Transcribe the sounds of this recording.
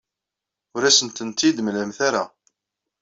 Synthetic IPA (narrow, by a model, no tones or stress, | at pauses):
ʊɾæsənt̪ənt̪ːid̪mlæmθaɾa